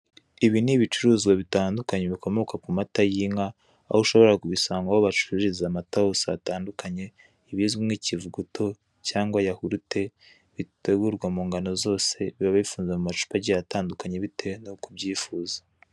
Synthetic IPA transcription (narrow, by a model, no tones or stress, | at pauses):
iβiniβit͡ʃuɾuːzɡwaβitaːndukaɲe̞βiko̞mo̞ːkakumatajiŋa | a̰hoʃo̞βo̞ɾakuβisaːŋɡaβoβat͡ʃuɾiɾizamatausaataːndukaɲe̞ | iβiːzɡimŋiːcivuɡutʰo̞ | caːŋɡwajahuɾute̞ | βiteɡuɾɡwamuːŋɡano̞zo̞ːse̞βiβaβaifuːnzamumat͡ʃu̥paɟijataːndukaɲe̞βitʰe̞nokubɟiːfuːzḁ